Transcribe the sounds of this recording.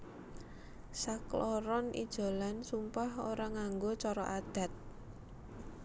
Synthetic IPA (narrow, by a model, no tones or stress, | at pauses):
saklɔɾɔnʔḭd̥ʒ̥o̤lansumpahoɾaŋaŋɡot͡ʃɔɾɔʔad̪̥ä̤t̪̚